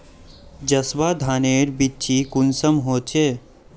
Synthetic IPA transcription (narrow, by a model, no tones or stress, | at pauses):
d͡ʒɐswaːd̪ʱaːneːɾbitːt͡ʃʰikʊnsəmɦoːt͡ʃeː